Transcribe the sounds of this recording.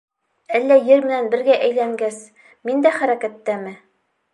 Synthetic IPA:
ælːæjɘɾmɘ̆nænbɘ̆ɾɡæʔæjlæŋɡæs | mind̪æχæɾækæt̪ːæmɘ

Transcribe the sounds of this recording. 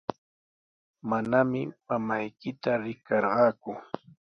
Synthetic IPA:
manamɪmamajkɪt̪aɾɪkɑɾɢɑːkʊ

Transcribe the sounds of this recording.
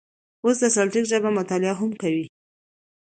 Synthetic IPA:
os̬d̪əsalʈikʒabamʊt̪ɑlɪɑɦʊmkawi

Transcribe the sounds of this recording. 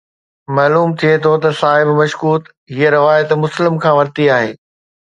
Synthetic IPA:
mɐːluːmt̪ʰiet̪ʰot̪ɐsaːɦɪbmɐʃkuːt̪ | ɦieɾɪʋaːjət̪mʊslɪmkʰãːʋɐɾt̪iaːɦeː

